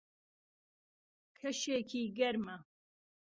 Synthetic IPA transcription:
kʰɐʃeːkʰiːɡɐɾmɐ

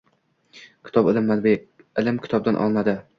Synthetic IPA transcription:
kʲʰɪ̥t̪ʰɒbɪlɪmːanbe | ɪlɪmkʲʰɪ̥t̪ʰɒb̚d̪anʔɒ̰lˠnad̪ɪ

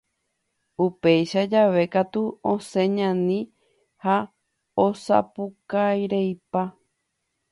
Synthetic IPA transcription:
upe̞jʃad͡ʒaʋe̞kat̪uõsẽ̞ɲãnĩ | ha | osa̰pukajɾejpa

